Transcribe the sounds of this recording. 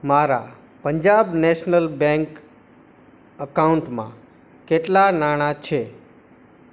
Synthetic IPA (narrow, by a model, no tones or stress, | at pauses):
maɾa̰ | pəɲd͡ʒabneʃnəlbɛ̃ŋk | əkauɳʈmã̰ | keʈlanaɽ̃at͡ʃʰe